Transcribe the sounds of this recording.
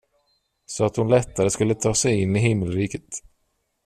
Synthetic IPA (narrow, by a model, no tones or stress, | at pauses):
sɔat̪hʊnlɛt̪ːaɾəskɵlːət̪ʰɑːsɛjɪnːɪɦɪmːəlɾiːkə̥t̪